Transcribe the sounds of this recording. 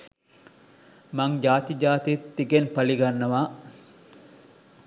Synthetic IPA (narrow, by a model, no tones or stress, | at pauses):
maŋd͡ʒaːt̪id͡ʒaːt̪it̪ːiɡenpɐliɡanːɐʋaː